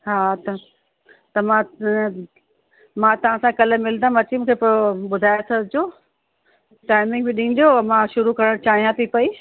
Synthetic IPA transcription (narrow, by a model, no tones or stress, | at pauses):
ɦaːt̪ɐ | t̪ɐmã | mãt̪ɐʋ̤ãsãkɐləmɪlnd̪ãmɐt͡ɕimũːkʰepooɓʊd̪ʱaːjosɐbʱd͡ʑoː | ʈaːɪmɪ̃ŋɡbɪɗĩ̆ːd͡ʑoːɐmãʃʊɾukɐɾəɽ̃t͡ɕaːɦijãt̪ʰipɐi